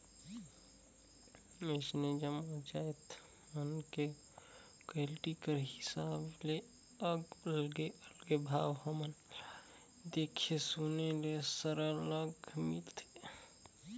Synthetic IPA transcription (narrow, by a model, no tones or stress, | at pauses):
mesned͡ʒəmod͡ʒajt̪ | mənke | kelʈikəɾɦɪsaːble | əɡlɡeəlɡebʱaːwɦəmən | d̪eːkʰesonelesəɾələɡmilt̪ʰe̥